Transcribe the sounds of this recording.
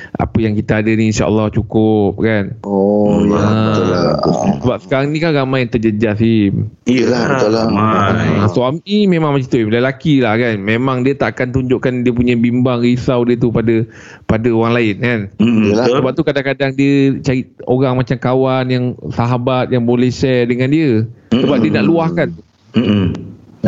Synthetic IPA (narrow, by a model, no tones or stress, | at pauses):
ʔa̰pəjaŋkit̪aadəniinʃa̰ʔə̰lːɑht͡ʃukʊp̚kanɔə | səbap̚sə̥kaɾaŋnĩkanɾamãjant̪əd͡ʒəd͡ʒasiiəlalaasoamnimẽmãŋmat͡ʃit̪uilalakilahkanmẽmãŋdiət̪aʔakant̪uɲd͡ʒʊʔkandiəp̬uɲabimbaŋɾisawdiət̪̬upadə | padaoɾaŋlaɪnkanlsəbap̚t̪ukadaŋkadaŋdiət͡ʃaɾioɾaŋmat͡ʃamkawanjaŋsaɦabat̪̚jaŋbolɛhsɛdəŋãndiəsəbap̚diənaʔluahkant̪u